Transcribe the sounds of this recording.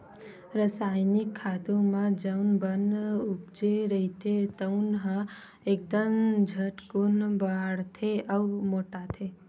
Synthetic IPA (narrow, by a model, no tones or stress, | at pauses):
ɾəsajnikʰːat̪ũmãd͡ʒəwnbənup̚d͡ʒeɾəɦit̪ʰet̪əunɦə | ek̚d̪əmd͡ʒʱəʈkunbaɽt̪ʰeʔəwmoʈat̪ʰe